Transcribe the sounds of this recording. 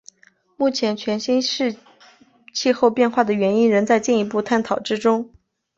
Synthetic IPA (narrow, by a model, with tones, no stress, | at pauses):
mu˥˩t͡ɕʰjɛ˧˥nt͡ɕʰɥɛ˧˥nɕi˥nʂɻ̩˥˧ | t͡ɕʰi˥˧xo˥˧ʊpjɛ˥˧nxwa˥˩d̪ə˩ɥɛ˧˥ni˥nɻə˧˥nt͡sa˥˧ɪt͡ɕi˥˩ni˧˥pu˥˧t̪ʰa˥˩nt̪ʰɑ˨˩ʊʈ͡ʂɻ̩˥ʈ͡ʂʊ˥ŋ